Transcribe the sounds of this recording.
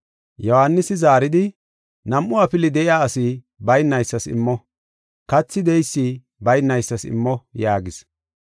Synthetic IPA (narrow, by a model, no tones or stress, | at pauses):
jɔhanːɪsɪzaːɾɪd̪ɪ | nɐmʔʊɐpɪlɪd̪ɛʔɪjaːɐsi | bɐjnːɐjsːɐsɪ̰mːɔ | kɐt͡sːɪd̪ɛjsːiː | bɐjnːɐjsːɐsɪ̰mːɔjaːɡɪs